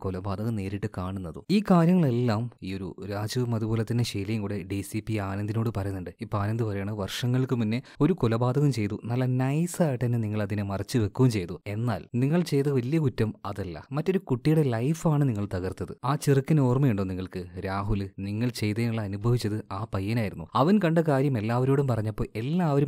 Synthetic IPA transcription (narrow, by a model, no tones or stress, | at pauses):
kolɐbaːd̪ʱɐɣɐmne̞ːɾiʈːɨkaːɳunːɐðṵiːkaːɾjɐŋːɐɭe̞lːaːmiːo̞ɾṵɾaːd͡ʑɐʋumɐðubo̞ːlɐt̪ːinːeɕejlɐjɐmŋkuːɽe̞ɖiːsipːiaːnɐnd̪ʱino̞ːɽɨpɐrɐjunːuɳɖɨipːoaːnɐnd̪ipɐrɐjaːɳɨʋɐrʂɐŋːɐɭkɨminːe̞o̞ɾukolɐbaːd̪ɐɣɐmt͡ɕe̞jt̪unɐlːɐnɐjsaːjiʈːɐnːeniŋːɐɭɐðinɨmɐrɐt͡ɕːɨʋe̞kːuʋumt͡ɕe̞jt̪ue̞nːa̰ːlniŋːɐɭt͡ɕe̞jt̪̬ɐʋɐljɐkutːɐmɐðɐlːɐ̰mɐtːo̞ɾukuʈːijuɽelɐjfaːɳɨniŋːɐɭt̪ɐɣɐrt̪ːɐðɨaːt͡ɕirɨkːɐnoːrmɐjuɳɖo̞ːniŋːɐɭkɨɾaːɦulniŋːɐɭt͡ɕe̞jt̪ɐnuɭːɐːnubʱɐʋit͡ɕːɐðɨaːpɐjːɐnaːjiɾunːuɐʋɐnkɐɳɖɐkaːɾjɐme̞lːaːʋɐɾo̞ːɽumpɐrɐɲːɐpːoːe̞lːaːʋɐɾum